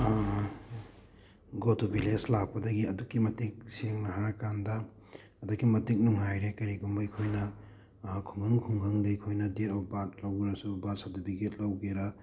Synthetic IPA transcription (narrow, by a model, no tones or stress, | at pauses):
ɡotubileslapɐdɐɡiɐdukːimɐtik̚seŋnɐɦaɾkandɐː | dukːimɐtik̚nuŋɦajɾekɐɾiɡumbɐjkʰojnɐ | kʰuŋɡʰaŋkʰuŋɡaŋdejkʰojnɐdeɾɔwbat̚lawɡɾasubat̚sadibiket̚lawɡeɾɐ